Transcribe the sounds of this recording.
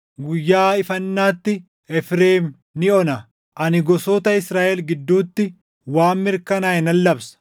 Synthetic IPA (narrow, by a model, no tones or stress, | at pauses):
ɡʊjːaːɪfɐnːaːt̪ːɪ | ɛfɾeːm | nɪɔnɐ | ʔɐnɪɡɔsoːt̪ɐɪsɾaːʔɛlɡɪd̪ːuːt̪ːɪ | waːmːɪɾkɐnaːɪnɐlːɐbsɐ̥